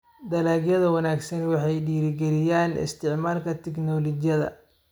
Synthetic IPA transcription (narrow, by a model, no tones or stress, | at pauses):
d̪ɐlaːɡjɐðɐwɐnaːɡsɐnwɑħɑjɖiːɾɪɡɛlɪjaːnɪ̰st̪ʰɪʕmaːlkʰɐt̪ʰɪknɔlɔt͡ʃjɐðɐ̰